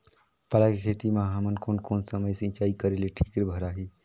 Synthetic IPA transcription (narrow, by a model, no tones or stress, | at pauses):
pəlakekʰeːt̪imãɦaːmənkoːnkoːnsəməjsẽt͡ʃaːikəɾeleʈʰiːkɾebʱəɾaɦiː